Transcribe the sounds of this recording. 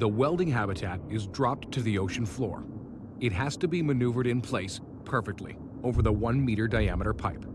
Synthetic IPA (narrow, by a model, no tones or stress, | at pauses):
ðəwɛlˠdɪ̃ŋɦæbɨtʰæɾɪzdɹɑp̚tʰɨðioʊʃɨ̃n̩flɔ̰ɹ | ɨt̚ɦɨz̥tɨbimɨnʉvə˞ɾɨ̃npʰl̥eɪs | pʰɜ˞fɨk̚tʰˡlḭ | oʊvə˞ðəwʌ̃nmiɾə˞daɪæməɾə˞pʰaɪp